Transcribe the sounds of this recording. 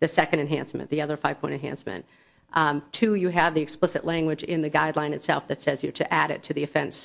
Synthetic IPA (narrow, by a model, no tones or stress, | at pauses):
ðɨsɛkɨ̃ndɨ̃nɦæ̰̃nsmɨ̰̃nðiʌðə˞faɪv̥pʰɔ̃ɪ̃ɨ̃nɦæ̰̃nsmɨ̰̃n | tʰʉjɨɨvðiɨksplɪsɨʔlæ̃ŋɡwɨd͡ʒɪ̰̃nðɨɡaɪdˡlãɪ̃nɨtsɛ̰lˠfðɨtsɛzjə˞ɾɨʔæɾɨ̰tʰɨðiɨfɛ̃ns